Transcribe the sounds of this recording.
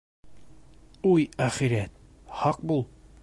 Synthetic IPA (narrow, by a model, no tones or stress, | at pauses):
ujæχiɾijæt̪̚ | hɑq̚bulˠ